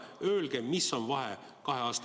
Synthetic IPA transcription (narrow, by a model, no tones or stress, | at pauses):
ø̞ːlɡ̥emisːo̞nvɑɦe̞̰ | kɑɦe̞ɑːst̪